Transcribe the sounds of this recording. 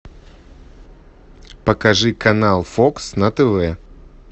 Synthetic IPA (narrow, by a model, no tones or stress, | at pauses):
pəkɐʐɨkɐnalˠfoksnɐt̪ɛvɛ